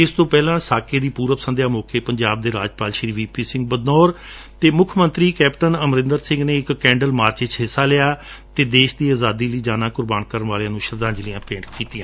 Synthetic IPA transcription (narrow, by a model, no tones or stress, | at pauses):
ɪst̪õːpɛːlãːsaːkʰeːd̪iːpuːɾəpəsənd̪jaːmoːkʰeːpəɲd͡ʒaːb̚d̪eːɾaːd͡ʒpaːlʃɾiːʋiːpiːsɪ̃ŋɡ̚bəd̪nɔːɾ | t̪eːmʊkʰmənt̪ɾiːkɛːpʈənəmɾɪ̃nd̪əɾsɪ̃ŋɡneːɪkːɛ̃ːɳɖəlmaːɾt͡ʃeːt͡ʃɦɪsːaːlɪaːt̪eːd̪eːʃd̪iːaːzaːd̪iːləiːd͡ʒaːnãːkʊɾbaːnkəɾəɳʋaːleãːnũːʃəɾd̪ãːd͡ʒlijãːpẽːɳʈkiːt̪ɪjãː